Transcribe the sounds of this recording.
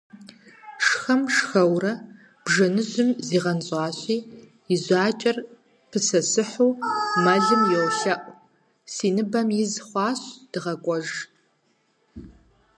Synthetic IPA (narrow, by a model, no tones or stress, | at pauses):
ʂxɐmʂxɐwrɐ | b̥ʒɐnɨʑʊmziːʁɐnɕʼɑːɕʷiː | ɪʑʷaːt͡ʃʼɐr | pʰɨsɐsɨħuːmɐɮɨmjɛwɬɐʔʷʼ | siːnɨbɐmjɪzχʷɑːɕd̥ɨʁɐkʷʼɔʒ